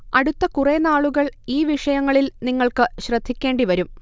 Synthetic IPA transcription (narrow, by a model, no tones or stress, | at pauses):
ɐɽut̪ːɐkureːnaːɭuɣɐɭiːʋiʂɐjɐŋːɐɭilniŋːɐɭkɨɕrɐd̪ʱːikʲːe̞ːɳɖiʋɐɾum